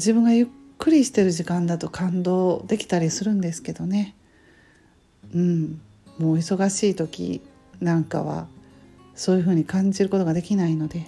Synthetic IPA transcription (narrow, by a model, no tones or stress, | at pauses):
d͡ʑibɯ̟̃ŋɡajɯ̟kːɯ̟ɾʲiɕi̥t̪e̞ɾɯ̟ʑikãnd̪at̪o̞kʰãnd̪o̞ːd̪e̞kʲi̥t̪aɾʲisɨɾɯ̟̃nd̪e̞sɨ̥ke̞d̪o̞ne̞ | ɯ̟̃ɴ | mo̞ːiso̞ɡaɕiːt̪o̞kʲḭ | nãŋka̰βa̰ | so̞ːjɯ̟ɦɯ̟ːɲ̟ikãɲ̟d͡ʑiɾɯ̟ko̞t̪o̞ɡad̪e̞kʲinaino̞d̪e̞